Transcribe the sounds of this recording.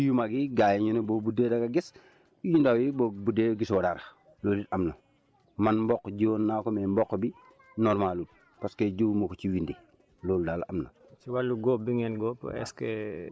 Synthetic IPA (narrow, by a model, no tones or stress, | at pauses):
jumaɡiɡajeɲunobobudedaɡaɡis | jindawjibobudeɡiswɔdaɾa | loːlitamno | manmbɔkːɟɔːnːakomembɔkːbi | nɔɾmalut̚ | paskeɟumokot͡ʃiwindi | loːldaːlaʔamno̰ | t͡ʃiwalːuɡɔp̚biŋɛnɡɔːpɛ̰skḛ